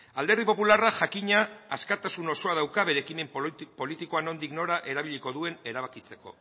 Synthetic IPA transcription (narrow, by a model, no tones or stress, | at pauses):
ald̪erðipo̞pularaʝakiɲaːskat̪asuno̞so̞að̞awkaβe̞ɾekime̞mpo̞lit̪iko̞ano̞nd̪ikno̞ɾaʔe̞ɾaβiʎiko̞ðue̞ne̞ɾaβ̞akit͡se̞̥ko̞̰